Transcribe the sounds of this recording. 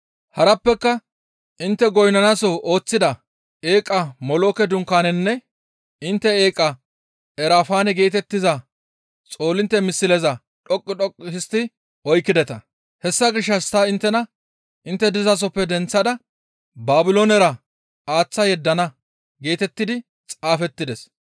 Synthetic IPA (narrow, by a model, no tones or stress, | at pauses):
hɐɾɐpːɛkːɐ | ʔɪnt̪ːɛɡɔjnɐnɐsɔʔoːt͡sːɪd̪ɐ | eːkʼɐmɔloːkɛd̪ʊŋkːaːnɛnːɛ | ɪnt̪ːɛeːkʼɐ | ɛɾaːfaːnɛɡe̞ːt̪ɛt̪ːɪzɐ | t͡sʼo̞ːlɪnt̪ːɛmɪsːɪlɛzɐ | ᶑɔkʼːɪᶑɔkʼːhɪst̪ːɪ | ɔjkːɪd̪ɛt̪ɐ | hɛsːɐɡɪʃːɐst̪ɐɪnt̪ːɛnɐ | ʔɪnt̪ːɛd̪ɪzɐs̬ɔpːɛd̪ɛnt͡sːɐd̪ɐ | baːbɪloːnɛɾɐ | aːt͡sːɐjɛd̪ːɐnɐ | ɡe̞ːt̪ɛt̪ːɪd̪ɪ | t͡sʼaːfɛt̪ːɪd̪ɛs